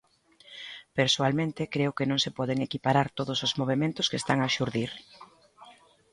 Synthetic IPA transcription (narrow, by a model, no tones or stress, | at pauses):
peɾswalmẽnt̪ɪkɾeʊkenõŋsepɔðeŋekipaɾaɾt̪oð̞ʊsozmoβ̞emẽnt̪ʊskḛst̪aŋaʃuɾðiɾ